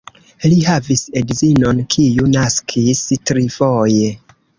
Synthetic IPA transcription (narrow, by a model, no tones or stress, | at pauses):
liɦavisedzino̞nkʰijunaskʰistɾifoje